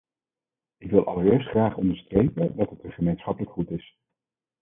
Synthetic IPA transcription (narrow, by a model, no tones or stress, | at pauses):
ɪkʋɪlˠʔɑ̰lˠəɹɪːɹstχraːχɔndəɹstrejpədɑtɦətəχəmejnsχɑpələkχutɪs